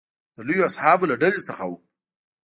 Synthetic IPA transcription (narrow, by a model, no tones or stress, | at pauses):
d̪̥əlujoasħɑblaɖalesəxawu